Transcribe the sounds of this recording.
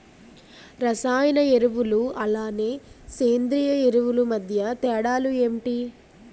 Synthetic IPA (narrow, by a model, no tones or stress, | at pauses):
ɾɐsaːjɐnɐeɾuʋuluɐlaːneːseːnd̪ɾiːjɐeɾuʋulumɐd̪ʱjɐt̪ɛːɽaːlueːmʈi